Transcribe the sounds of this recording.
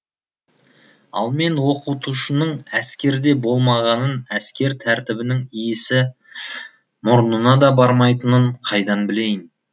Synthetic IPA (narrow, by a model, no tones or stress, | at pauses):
ɑ̰lˠme̞nwo̞qut̪uʃənəɴæskʲe̞ɾd̪e̞bo̞lˠmɑʁɑnənæskʲe̞ɾt̪ʰæɾt̪ɪbɪnɪŋijɪsɪ | mʊɾənənɑd̪ɑbɑɾmɑjt̪ənəɴqʰɑjd̪ɑnbɪle̞jɪn